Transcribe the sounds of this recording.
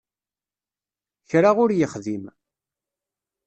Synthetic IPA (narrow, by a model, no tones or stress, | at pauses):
çɾaʁʊɾjəχðim